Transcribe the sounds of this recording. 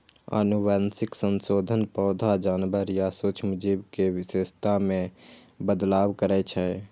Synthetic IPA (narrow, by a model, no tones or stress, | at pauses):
ə̰nuʋansɪksənsoːd̪ʱənpɔːd̪ʱad͡ʒaːnbəɾjasut͡ʃʰmʊd͡ʒibkewɪseːst̪amẽ | bəd̪laːwkəɾɛt͡ʃʰɛ